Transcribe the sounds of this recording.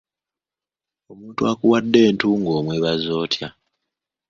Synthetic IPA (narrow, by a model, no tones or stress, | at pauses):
o̞muːntuakuwadːe̞ːntuːŋɡo̞ːmwe̞βazo̞ːtja